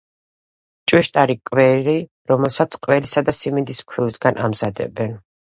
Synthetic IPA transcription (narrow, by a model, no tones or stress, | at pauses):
t͡ʃʼwiʃt̪ʼaɾikʼwɛɾi | ɾɔmɛlˠsat̪sʰqʼwɛlisad̪asimind̪ismkʰwilsɡanʔa̰mz̥ad̪ɛ̰bɛn